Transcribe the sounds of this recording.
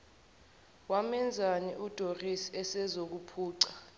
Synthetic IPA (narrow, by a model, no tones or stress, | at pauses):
wamɛnd͡zʱaniʔud̥ʱorisiɛsɛzok̬upʰuːǀa